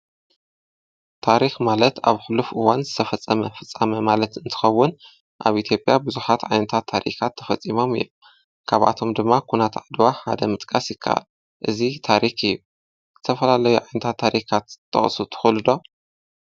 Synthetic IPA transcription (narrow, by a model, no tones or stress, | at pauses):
t̪ʰaɾixmalɐt̪aβxɨlufʔɨwanzɨt̪ʰɐfɐt͡sʼːɐmɐfɨt͡sʼːɐmɐmalɐt̪ɨnt̪ʰɨ̥xɐwːʊn | ʔa̰βʔit̪ʰjo̞pʼjabuzuħat̪ʕa̰jnɐt̪ʰat̪ʰːaɾḭkʰat̪ʰːɐfɐt͡sʼːimo̞mɨ̰jom | kʰaβʔa̰t̪ʰo̞md̪ɨmːakʰunat̪ʰʕad̪waħa̰d̪ɐmɨt̪ʼkʼasjɪkʰːa̰ʔa̰l | ʔɨzit̪ʰaɾikɨjːu | zɨt̪ʰɐfɐlalɐjuʕajnɐt̪ʰat̪ʰːaɾʔikʰat̪ʰːɐ̰χʼsut̪ʰɨ̥xulɨd̪o̞